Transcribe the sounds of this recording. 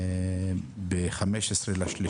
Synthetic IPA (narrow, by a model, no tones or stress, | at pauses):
beχameʃesʁelaʃli